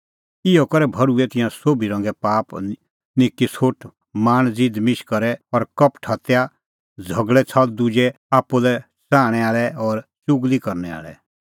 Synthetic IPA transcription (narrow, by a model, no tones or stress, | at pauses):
ɪjɔkɔɾɛbʱɐɾuɛt̪ɪ̃jãsoːbʱiɾɔ̃ːŋɡɛpaːp | nɪkːisʰoʈ | maːñd͡zid̪mɪʃkɐɾɛɔɾkɐpʈʰat̪eja | d͡zʱɐɡɭɛt͡sʰɐld̪ʊd͡ʒɛ | aːpːulɛ | saːɽ̃ɛaːɭɛɔːɾt͡ʃʊɡlikɐɾnɛa̰ːɭɛ̰